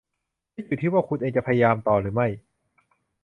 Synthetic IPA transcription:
maː˥˩juː˨˩t̪ʰiː˥˩waː˥˩kʰu˧nʔeː˧ŋt͡ɕa˨˩pʰa˧ja˧jaː˧mt̪ɔː˨˩ɾɯː˩˦ma˥˩j

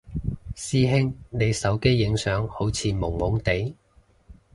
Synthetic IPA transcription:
siː˥ɦɪ˥ŋne˨˧jsɐ˨˥wke˥jːɪ˨˥ŋsœː˨˥ŋho˨˥wt͡sʰiː˨˧mʊ˨˩ŋmʊ˨˥ŋt̪e˨˥j

